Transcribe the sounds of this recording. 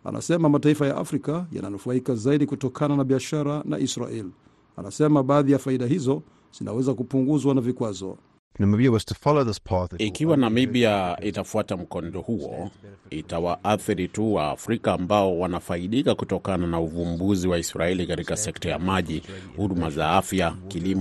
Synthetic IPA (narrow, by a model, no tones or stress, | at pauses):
a̰nʔa̰sɛmamataifaja̰ʔa̰fɾikaja̰na̰nufaikazaiɗikutɔkʰananaɓiaʃaɾana̰ʔisɾa̰ʔɛli | a̰nasɛmaɓaːðijafaiɗaɦizɔ | z̥inawɛzakupuŋɡuzwanavikwazɔ̰ | namibiawɔz̥tʰəfɑloʊðɪspʰɑθikiwanamiɓiaitafuatam̩kɔndɔhuɔ̰itawaʔaθiɾituwa̰ːfɾikaːmbaɔwanafaiɗikakutɔkananauvumbuziwaisɾaɛlikatikasɛktaja̰maʄihuɗumazaafjakilimɔ